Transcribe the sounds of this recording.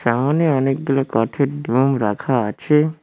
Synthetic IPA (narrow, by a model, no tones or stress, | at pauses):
ʃamaneɔnek̚ɡilakɔʈ̪ʰeʈɖ̪ʱumɾakʰaət͡ʃʰe